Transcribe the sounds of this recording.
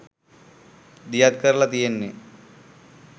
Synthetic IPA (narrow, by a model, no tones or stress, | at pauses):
d̪ijad̪̚kəɾlat̪ijenːe